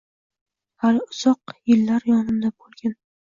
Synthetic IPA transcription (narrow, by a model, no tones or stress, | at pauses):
halɪʊz̥ɒqjɪlːaɾjɒnɪmd̪abolˠɡʲan